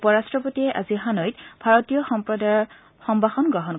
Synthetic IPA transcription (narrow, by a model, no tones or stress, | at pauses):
pɔɹastɹɔpotiɛʔa̰ziɦanɔjtbʱaɹɔtijɔxɔpɹɔdaɹ | xɔmbaxɔnɡɹɔɦɔn